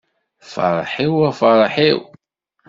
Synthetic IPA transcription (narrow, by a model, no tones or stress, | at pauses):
fɑ̰ɾˤħiwæfəɾˤħiw